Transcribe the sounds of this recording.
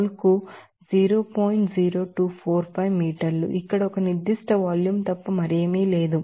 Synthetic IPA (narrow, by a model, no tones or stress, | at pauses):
lɐku | d͡ʒiːɾoːpoːjiɳʈziːɾoːʈuːpʰoːɾpʰɐjʋmiːʈɐɾlṵʔikːɐɽɐɔkɐniɾd̪iʂʈɐʋaːljuːmt̪ɐpːɐmɐɾemiːle̞ːd̪u